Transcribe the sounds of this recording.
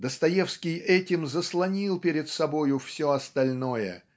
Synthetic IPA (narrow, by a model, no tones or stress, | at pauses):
d̪əst̪ɐjefskʲɪjɛtʲɪmzəslˠɐnʲilˠpʲɪɾʲɪt̪sɐbo̞jʊfsʲoɐst̪ɐlʲnojə̰